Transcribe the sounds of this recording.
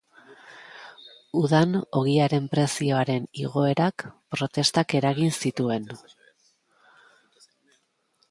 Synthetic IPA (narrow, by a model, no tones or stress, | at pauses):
uðano̞ɣ̞iaɾe̞mpɾe̞sio̞aɾe̞nḭɣ̞o̞e̞ɾakpɾo̞t̪e̞st̪ake̞ɾaɣinsit̪ue̞n